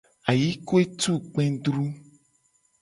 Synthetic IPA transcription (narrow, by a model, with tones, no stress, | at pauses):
a˨ji˦ko˦e˦t̪u˦k͡pɛ̃˦ɖ̪ɾu˦